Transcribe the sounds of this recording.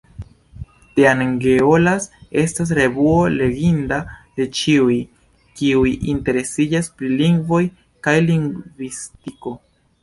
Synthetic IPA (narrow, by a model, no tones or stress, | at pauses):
teaŋɡeolase̞stas̬ɾe̞vuo̞le̞ɡindade̞t͡ʃiuj | kiujʔinte̞ɾe̞sid͡ʒaspɾiliŋɡvo̞j | kajliŋɡvistiko̞